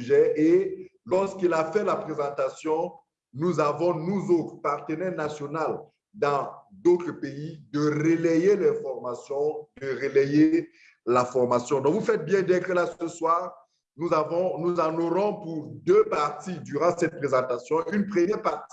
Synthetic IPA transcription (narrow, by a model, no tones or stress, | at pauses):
ʒɛelɔʁskilafɛlapχezɑ̃t̪asjɔ̃ | nuzavɔ̃nuzot̪χəpaʁt̪ənɛʁnasjɔnal | d̪ɑ̃d̪ot̪χəpeid̪əʁelɛjelɛfɔʁmasjɔ̃d̪əʁelɛje | lafɔʁmasjɔ̃d̪ɔ̃kvufɛt̪̚bjɛ̃d̪ɛ̃kəlasəswaːʁ | nuavɔ̃nuzãnoʁɔ̃puʁd̪øpaʁt̪id̪yʁɑ̃sɛt̪̚pχezɑ̃t̪asjɔ̃ynpχəmjɛʁpaʁt̪i̥